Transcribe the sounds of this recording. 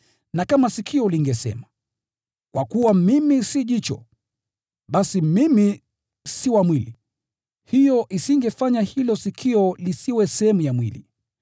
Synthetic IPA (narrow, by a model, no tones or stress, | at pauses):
nakamasikʰiɔliŋɡɛsɛ̰ma | kwakuwamimisiʄit͡ʃɔ̰ | ɓasimimi | siwamwilḭ | hijɔʔisiŋɡɛfaɲahilɔsikʰiɔlisiwɛsɛɛmujamwilḭ